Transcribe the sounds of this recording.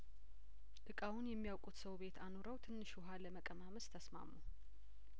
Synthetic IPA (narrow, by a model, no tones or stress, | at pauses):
ʔɨkʼawunjɛmːijawkʼut̪səwβe̞t̪ʰanoɾəwt̪ʰɨnːɨʃʊɦaləməkʼəmaməst̪ʰəsma̰mːu